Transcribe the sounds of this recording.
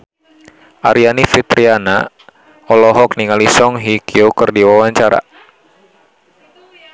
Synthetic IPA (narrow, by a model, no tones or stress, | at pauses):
ʔaɾianifit̪ɾiana | ɔlɔɦɔk̚niŋalisɔŋɦikiokərdiwawaɲt͡ʃaɾa̰